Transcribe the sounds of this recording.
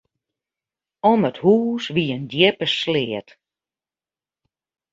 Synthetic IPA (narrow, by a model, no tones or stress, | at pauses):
ɔməthuːsʋiəndjɪpəslɪːət